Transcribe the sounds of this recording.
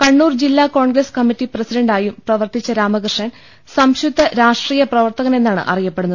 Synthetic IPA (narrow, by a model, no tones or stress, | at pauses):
kɐɳːuːrd͡ʑilːaːko̞ːɳɡɾɐskɐmːitːiprɐsidɐɳɖaːjumprɐʋɐrt̪it͡ɕːɐɾaːmɐkrʂɐn | sɐmɕud̪ʱːɐɾaːʂʈriːjɐprɐʋɐrt̪ɐɣɐne̞nːaːɳɨ̰ʔɐ̰rijɐpːe̞ɽunːɐð